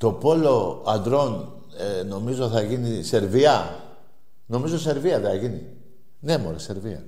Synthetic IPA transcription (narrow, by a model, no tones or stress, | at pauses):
t̪o̞po̞lo̞ɐnd̪ɾo̞n | eno̞mizo̞θɐʝinise̞ɾviɐ | no̞mizo̞se̞ɾviɐðeθɐʝini | ne̞moɾɐse̞ɾviɐ̰